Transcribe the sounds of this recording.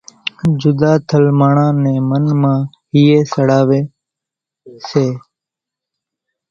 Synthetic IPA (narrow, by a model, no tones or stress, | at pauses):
d͡ʒʊd̪aːt̪ʰəlmaːɳãːnẽːmənmãː | ɦɪjeːsəɽaːʋeː | seː